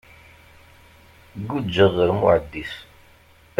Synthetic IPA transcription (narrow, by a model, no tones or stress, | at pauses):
ɡud͡ʒːəðˤəɾmʊʕəd̪ːis